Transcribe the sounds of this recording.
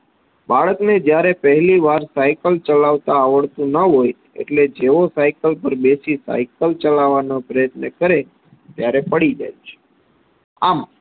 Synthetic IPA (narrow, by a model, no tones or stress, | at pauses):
baɽəkned͡ʒjaɾepəɦliʋaɾsajkəlt͡ʃəlaʋt̪aːʋəɭt̪ũnəɦoj | ḛʈled͡ʒeʋosajkəlpəɾbesisa̰jkəlt͡ʃəlaʋanopɾəjət̪nəkəɾe | t̪jaɾepəɽid͡ʒa̰jt͡ʃʰe̥ | am